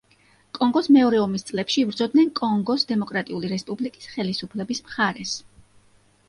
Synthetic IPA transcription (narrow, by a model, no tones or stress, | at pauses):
kʼɔŋɡɔsmɛɔɾɛɔmist̪sʼlɛpʃiːbɾd̪zɔd̪̚nɛnkʼɔŋɡɔsd̪ɛmɔkʼɾat̪ʼiuliɾɛspʼublikʼi̥sχɛlisupʰlɛbismχaɾɛs